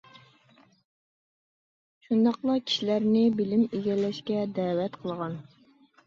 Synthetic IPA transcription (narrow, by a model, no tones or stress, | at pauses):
ʃund̪ɑqlˠɑkʲʰi̥ʃilæɾnɪbɪlɪmeɡʲɛlːɛʃkʲɛd̪æːwɛt̪qʰəlˠʁɑn